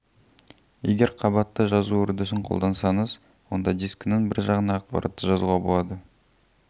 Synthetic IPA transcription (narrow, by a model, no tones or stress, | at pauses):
jeɡʲe̞ɾqʰɑbɑt̪ːəʒɑzuɵɾd̪ɪs̬ɪɴqʰo̞̰lˠd̪ɑnsɑɴəz | wo̞nd̪ɑd̪iskʲɪnɪŋbɪɾʒɑʁənɑːq̚pɑ̰ɾʔɑ̰t̪ːəʒɑzuʁɑbolˠɑd̪ə